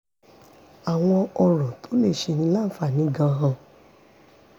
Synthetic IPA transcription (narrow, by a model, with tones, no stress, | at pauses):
a˨w̃ɔ̃˧ɔ˧ɾ̃ɔ̃˨to˨˦le˦˨ʃe˧nĩ˧˦la˦fa˦˨nĩ˨˦ɡã˧ɦã˧